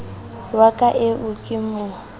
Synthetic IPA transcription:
wakʼaʔɪʔʊkʼɪmʊ

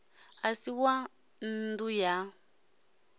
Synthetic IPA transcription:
asiwa | nduja

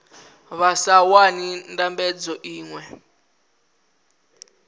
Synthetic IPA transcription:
βasawanindambɛd͡zɔʔiːŋwɛ

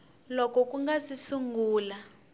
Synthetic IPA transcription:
lɔkɔk̬ʼuŋɡasisuŋɡuːla

